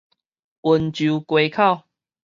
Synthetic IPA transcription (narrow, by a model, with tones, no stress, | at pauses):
u˨nt͡ɕu˨˦kwe˧kʰa˥˧˨ʊ